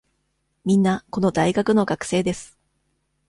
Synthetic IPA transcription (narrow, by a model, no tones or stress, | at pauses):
mʲĩnːako̞no̞d̪aiɡakɯ̟no̞ɡakɯ̥se̞ːd̪e̞sɨ̥